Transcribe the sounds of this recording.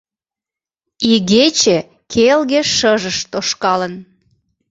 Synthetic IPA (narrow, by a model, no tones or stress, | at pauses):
iɣet͡ɕe | kʰelɣĕʃəʒəʃt̪oʃkɑlən